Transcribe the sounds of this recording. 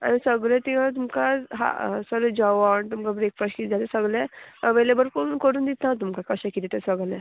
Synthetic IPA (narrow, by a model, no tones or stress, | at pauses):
a̰nisəɡɭjɛ̃t̪iat̪umkaɦa̰səɡɭɛ̃d͡ʑaʋaɳt̪umkabɾekfaskid͡zat̪esəɡɭjɛʋelebəɾkonkəɽuːnd̪it̪at̪̬umkakəɕakit̪it̪ɛsəɡlɛ̃